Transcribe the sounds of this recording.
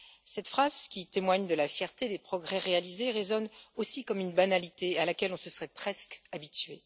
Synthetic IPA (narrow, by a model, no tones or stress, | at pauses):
sɛt̪fχaz̥kʲit̪emwaɲd̪əlafjɛʁt̪ed̪epχɔɡʁɛʁealizeʁezɔnosikɔmynbanalit̪ealakʲɛlɔ̃səsəʁɛpχɛskabit̪ɥe